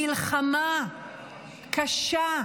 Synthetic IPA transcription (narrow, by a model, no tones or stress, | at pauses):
ilχama | kʰaʃa